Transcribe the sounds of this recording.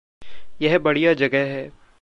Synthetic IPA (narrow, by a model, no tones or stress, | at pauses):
jɛɦbɐɽijad͡ʒɐɡəɦɦɛː